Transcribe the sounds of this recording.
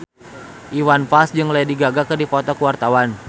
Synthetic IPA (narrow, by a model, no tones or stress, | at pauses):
ʔiwanpasd͡ʒɨŋlajadiɡaɡakɨrdipɔt̪ɔkuwart̪awan